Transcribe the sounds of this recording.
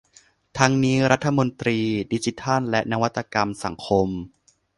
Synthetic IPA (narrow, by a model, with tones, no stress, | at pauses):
t̪ʰa˦˥ŋniː˦˥ɾa˦˥t̪ʰːa˧mo˧nt̪ɾiː˧di˦˥t͡ɕi˦˥t̪ʰa˥˩nlɛ˦˥ʔna˦˧wa˦˥t̪ːa˧ka˧msa˩˦ŋkʰo˧m